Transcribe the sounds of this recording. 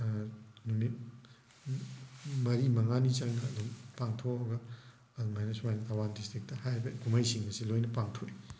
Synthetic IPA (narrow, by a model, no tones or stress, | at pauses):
nuŋni | mɐɾimɐŋanit͡ʃaŋnɐːdumpaŋtʰoɐɡɐ | ɐdumajnɐswajnɐtʰawandistɾik̚tɐhajbɐɡumajsiŋmɐsilojnɐpaŋtʰoi